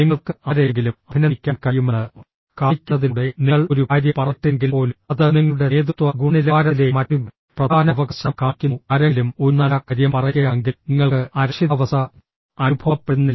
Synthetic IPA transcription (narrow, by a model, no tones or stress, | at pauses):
niŋːɐɭkɨɐɾeŋɡilumɐbʱinɐkʲːaːmkɐjumenɨ | kaːkʲːɐðiuɽeniɐɭoɾuaːɾjɐpɐrɐʈːiŋɡilpo̞ːlmɐðɨniŋːɐɭuɽe̞eːd̪ut̪ʋɐɡuɳilaːɾɐle̞mɐtːum | prɐd̪aːnɐʋɐɡɐɕɐmkaːkːunɐɾelumoɾunːaːlakːɐɾjɐmpɐrɐjɐjaŋɡiniŋːɐɭɨɐɾuʂiðɐʋɐsɐ | ɐnubʱɐʋpːe̞ɽunːi